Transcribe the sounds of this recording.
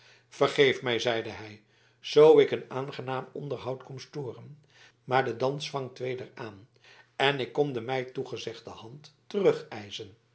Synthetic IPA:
v̥əɹχejfmɛjzɛjdəɦɛj | z̥owɪkənaːnχənaːmɔ̰ndəɹɦɑwtkɔmstoːrən | maːɹdədɑnsfɑŋtʋejdəɹaːn | ɛnɪkːɔmdəmɛjtuχəzɛχdəhɑntːərɵχɛjzən

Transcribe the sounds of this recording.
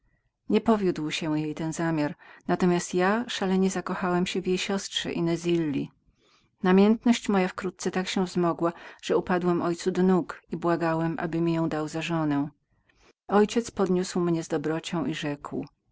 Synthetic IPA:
ɲɛpɔvʲjud̪wɕɛjejt̪ɛnzamʲjaɾnat̪ɔmʲjast̪jaʂalɛɲɛzakɔxawɛmɕɛvʲjejɕɔstʂɛ̰ʔinɛzʲilːi | namʲjɛnt̪nɔɕt͡ɕmɔjafkɾut̪̚sɛt̪akɕɛvzmɔɡwaʐ̥ɛupad̪wɛmʔɔjt̪sud̪ɔnukibwaɡawɛmʔa̰bɘmʲijɔ̃w̃d̪awzaʐɔnɛ̃ | ɔjt͡ɕɛt̪spɔd̪ɲuswmɲɛzd̪ɔbɾɔt͡ɕɔ̃w̃ʔiʐɛkw

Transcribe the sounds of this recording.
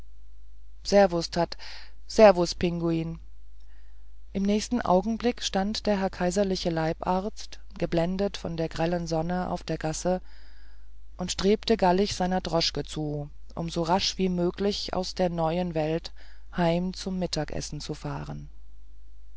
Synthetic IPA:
z̥ɛɐvʊsthatz̥ɛɐvʊspʰɪŋɡuiːn | ʔɪmnɛːçstn̩ʔa̰ʊɡŋ̩blɪkʃtantd̥eːɐɦɛɐkʰaɪzɐlɪçəlaɪpʔaɐt͡st | ɡ̥əblɛndətfɔndeːɐɡʁɛlənzɔnəʔa̰ʊfd̥eːɐɡasə | ʔʊntʃtʁ̥eːp̚təɡalɪçz̥aɪnɐdʁɔʃkət͡suːʔʊ̰mzoʁaʃv̥iːmøːklɪça̰ʊsd̥eːɐnɔʏənvɛlthaɪmt͡sʊmːɪtʰaːkʔɛ̰sn̩t͡sufaːʁən

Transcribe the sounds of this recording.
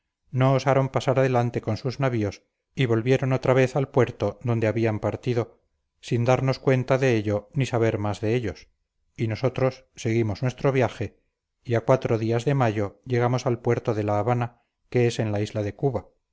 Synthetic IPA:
no̞ːsaɾo̞mpasaɾaðe̞lant̪e̞ko̞nsuznaβio̞s | iβo̞lβje̞ɾo̞not̪ɾaβe̞θalpwe̞ɾt̪o̞ðo̞nd̪eaβiampaɾt̪iðo̞ | sind̪aɾno̞skwe̞nt̪aðe̞eʎonisaβe̞ɾmazðe̞eʎo̞s | ino̞so̞t̪ɾo̞sːe̞ɣimo̞znwe̞st̪ɾo̞βjaxe̞ | iakwat̪ɾoðiazðe̞maʝo̞ʎe̞ɣ̞amo̞salpwe̞ɾt̪o̞ðe̞laːβana | ke̞ese̞nlaizlaðe̞kuβa

